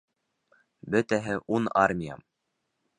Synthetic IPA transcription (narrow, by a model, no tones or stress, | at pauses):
bɵ̆t̪æɦɘʔunarmʲija̰m